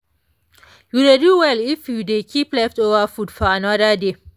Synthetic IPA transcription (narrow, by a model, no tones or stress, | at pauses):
judeduwɛlifjudekʰiplɛftovəfutfɔanadəde